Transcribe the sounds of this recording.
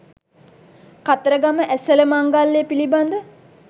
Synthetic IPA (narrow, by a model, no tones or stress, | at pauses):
kat̪əɾəɡaməʔæsələmaŋɡalːeːpiliband̪ə